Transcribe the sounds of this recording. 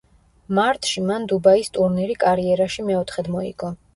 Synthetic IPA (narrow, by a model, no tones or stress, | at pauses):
maɾt̪ʼʃimand̪ubaist̪ʼuɾniɾikʼaɾiɛɾaʃimɛɔt̪ʰχɛd̪mɔḭɡ̥ɔ